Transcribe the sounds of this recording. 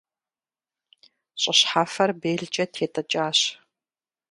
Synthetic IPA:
ɕʼɪɕħaːfɐrbeːɮt͡ʃʼɐtʰeːtʼɐt͡ʃʼaːɕ

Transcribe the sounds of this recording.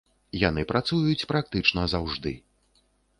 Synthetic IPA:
janɨpɾʔat̪sujut͡sʲpɾak̚t̪ɨt͡ʂnɐzawʐd̪ɨ̰

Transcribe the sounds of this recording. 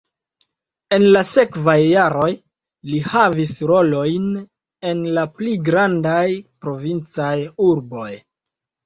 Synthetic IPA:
e̞nlase̞kvajːaɾo̞j | lihavisɾo̞lo̞jn | e̞nlapliɡɾandajpɾo̞vint͡sajuɾbo̞j

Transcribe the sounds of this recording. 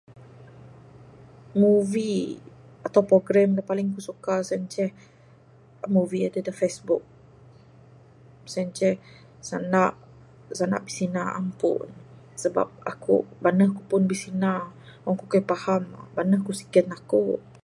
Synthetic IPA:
muvi | at̪awpɾoɡɾɛmlapalɪŋkusukasənt͡ʃɛh | muviadədəfesbʊk̚ | sənt͡ʃɛh | sanaʔ | sana̰ʔbisinaa̰mpʊ̰n | səba̰p̚a̰kṵbanəhkupʊnbisinaɔŋkukapahambanəhkusi̥kɛt̪aku

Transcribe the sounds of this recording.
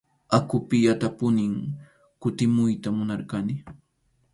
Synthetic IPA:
akʊpɪjat̪apʊnɪŋ | kʊt̪ɪmʊjt̪amʊnaɾkanɪ

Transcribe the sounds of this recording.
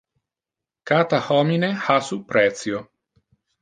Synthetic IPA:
kaːt̪ahɔminehasupːɾɛt̪sjo

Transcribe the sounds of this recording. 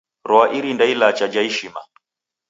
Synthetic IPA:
ɾɔaʔiɾindailat͡ʃad͡ʒaiʃima̰

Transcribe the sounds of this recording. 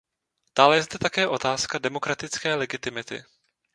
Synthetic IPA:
t̪aːlɛjɛzd̪ɛt̪akɛːʔo̞t̪aːskadɛmo̞kɾat̪ɪt͡skɛːlɛɡɪt̪ɪmɪt̪ɪ̰

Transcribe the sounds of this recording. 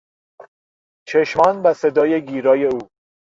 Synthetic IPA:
t͡ʃʰeʃmɒːnbæse̞d̪ɒːje̞ɡiːɾɒːje̞uː

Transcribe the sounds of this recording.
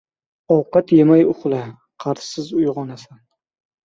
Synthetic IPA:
ɒwqɑt̪jemajʊχlˠa | qʰɑɾssɪzʊjʁɒnasan

